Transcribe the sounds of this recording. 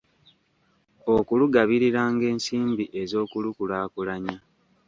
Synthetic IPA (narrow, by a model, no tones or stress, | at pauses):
okuluɡaβiɾiɾaːŋɡe̞ːnsiːmbiʔe̞zo̞ːkulukulaːkulaɲa